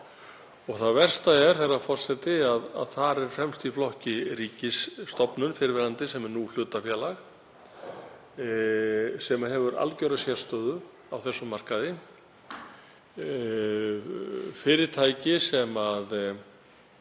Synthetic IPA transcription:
ɔɣθaðvɛr̥st̪aɛɾ̥θɛjrafɔr̥sɛt̪ɪaða̰ðθaɾɛɾ̥fɾɛmst̪iflɔhcɪɾiːcɪsːt̪ɔpnʏnfɪɾɪvɪɾlant̪ɪsɛmɛɾnul̥ʏːt̪afjɛːlax | sɛmaɦɛvʏɾa̰lcœɾasjɛst̪œːðʏ | awθɛsːʏmːar̥kaðɪ | fɪːɾɪt̪ʰaːjcɪsɛmað

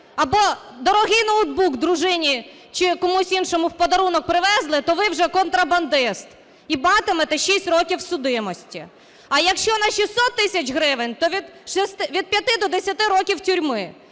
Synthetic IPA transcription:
ɐbɔ | d̪ɔɾɔɦɪjnɐwd̪̚bukd̪ɾʊʒɪnʲi | t͡ʃɪkɔmusʲinʃɔmʊwpɔd̪ɐɾunɔk̚pɾɪʋɛzlˠɪt̪ɔʋɪwʒɛkɔnt̪ɾɐbɐnd̪ɪst̪ | ibmɑt̪ɪmɛt̪ɛʃisʲtʲrɔkʲiwsʊd̪ɪmɔsʲtʲi | ɐjɐkʃt͡ʃɔnɐʃʲisɔt̪ːɪsʲɐt͡ʃɦɾɪʋenʲt̪ɔʋʲid̪ʃɛst̪ʋʲid̪̚pʲjɐt̪ɪd̪ɔd̪esʲɐt̪ɪɾɔkʲiwtʲʊɾʲmɪ

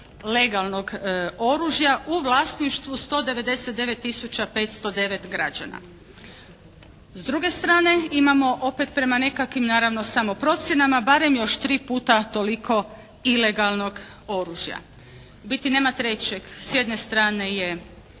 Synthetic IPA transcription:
le̞ɡalˠno̞ɡo̞ɾuʒjaʔuʋlˠaːsniʃt̪ʋust̪o̞ːd̪e̞ʋe̞d̪e̞set̪̚d̪e̞ʋe̞t̪ːisut͡ɕape̞ːt̪st̪o̞d̪e̞ʋe̞t̪ɡɾad͡ʑa̰na̰ | zd̪ɾuɡe̞st̪ɾaːne̞imamo̞ʔo̞pe̞t̪̚pɾe̞mane̞kakʋimnaːɾaʋno̞samo̞pɾo̞t̪sʲje̞namabaɾe̞mjo̞ʃt̪ɾiːpuːt̪at̪o̞likʰo̞ | ile̞ɡalˠno̞ɡ | o̞ɾuʒja̰ | bit̪ine̞ːmat̪ɾe̞t͡ɕeɡ̥sje̞d̪ne̞st̪ɾaːne̞je

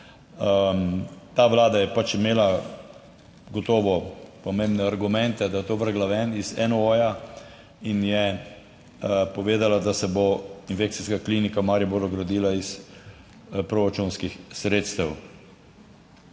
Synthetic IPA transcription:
t̪aːʋlaːd̪ajɛpat͡ʃimeːla | ɡɔt̪ɔːʋɔpɔmẽmbnɛaɾɡumɛ̃nt̪ɛd̪ajɛt̪oːʋəɾɡlaʋɛnizɛnooja | injɛ | pɔʋeːd̪alad̪asɛboinfekt̪siskaklinikamaɾiboɾɔɡɾad̪iːlais | pɾoɾat͡ʃunskixsɾeːt̪st̪ɛw

